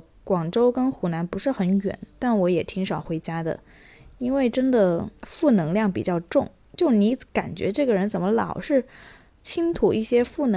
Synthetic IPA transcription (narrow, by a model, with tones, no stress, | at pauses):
kwɑ˨˩ŋʈ͡ʂo˥ʊkə˥nxu˧˥na˧˥npu˧˥ʂɻ̩˥˩xə˧˥nɥɛ̰˨˩˦nt̪a˥˩nwɔ˧˥jɛ˨˩t̪ʰi˧˥ŋʂɑ˨˩ʊxwe˧˥ɪt͡ɕja˥d̪ə̰˨ | i˥nwe˥˩ɪʈ͡ʂə˥nd̪ə˨fu˥˩nɤ˧˥ŋljɑ˥˩ŋpi˨˩t͡ɕjɑ˥˧ʊʈ͡ʂʊ˥˩ŋ | t͡ɕjo˥˩ʊni˧˥ka̰˨˩nt͡ɕɥɛ̰˧˥ʈ͡ʂɤ˥˩ɡə˩ɻə˧˥nt͡sə˨˩mə˦lɑ̰˨˩ʊʂɻ̩˥˩ | t͡ɕʰi˥ŋt̪ʰu˨˩i˥˩ɕjɛ˥fu˥˩nɤ˧˥